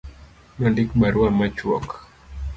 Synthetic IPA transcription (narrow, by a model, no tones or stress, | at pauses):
mandikɓaɾuamat͡ʃwɔk